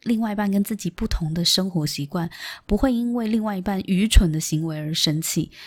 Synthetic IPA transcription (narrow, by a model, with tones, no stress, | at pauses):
li˥˧ŋwa˥˧ɪi˧˥pa˥˩nk̬ə˥nt͡sɹ̩˥˩t͡ɕi˨˩pu˥˩t̪ʰʊ˧˥ŋd̪ə˧ʂɤ˥ŋxwɔ˧˥ɕi˧˥kwa˥˩npu˧˥xwe˥˩ɪi˥nwe˥˧ɪli˥˧ŋwa˥˩ɪi˧˥pa˥˩nʔy˧˥ʈ͡ʂʰwə˧˥nd̪ə˧ɕi˧˥ŋwe˧˥ɪə˞˧˥ʂə˥nt͡ɕʰḭ˥˩